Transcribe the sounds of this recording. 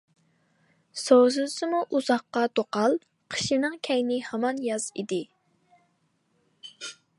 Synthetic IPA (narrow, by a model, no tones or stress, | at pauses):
sowzɨsɨmuʔuzɑχqːɑt̪oqɑlˠ | qʰə̥ʃinɨŋkʲʰɛjnɪhɑmɑnjɑz̥ḭd̪ɪ